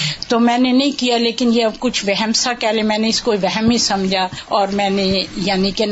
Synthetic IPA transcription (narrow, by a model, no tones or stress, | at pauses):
t̪oːmɛ̃ːnenɐɦĩkijaleːkɪnjeɐbkʊt͡ʃʰʋɛɦɛmsakɛːlemɛ̃ːneɪskoiʋɛɦɛmĩsɐmd͡ʒʱaɔːɾmɛ̃ːnejaːniken